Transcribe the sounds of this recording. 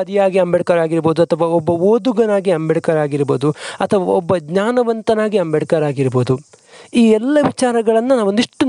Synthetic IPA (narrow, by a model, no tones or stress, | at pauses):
ɐd̪ijaːɡiɐmbɛɽɐkɐɾaːɡiɾboːd̪uɐt̪ʰɐʋɐɔbːɐoːd̪uɡɐnaːɡiɐmbɛɽɐkɐɾaːɡiɾɐboːd̪uɐt̪ʰɐʋɐɐ̰ɔbːɐɡɲaːnɐʋɐnt̪ɐnaːɡiɐmbɛɽkɐɾaːɡiɾboːd̪u | iːɛlːɐʋit͡ʃaːɾɐɡɐɭɐnːɐnaːʋund̪iʂʈːu